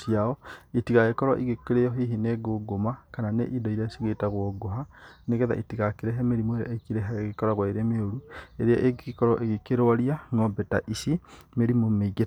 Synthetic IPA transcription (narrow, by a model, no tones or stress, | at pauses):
siaɔitiɣaekɔɾɔ̰ʔiɣekeɾeɔɦiɦineɡoɡomakananḛʔidɔiɾeasiɣetaɣwɔɡoɦaneɣɛða̰ʔitiɣakeɾɛɦɛmeɾimoeɾa̰ʔekiɾɛɦɛɣekɔɾaɣwaeɾeameoɾueɾeaʔeɡkɔɾɔʔeɣekeɾowaɾiaŋɔbɛta̰ʔisimeɾimomeiɡe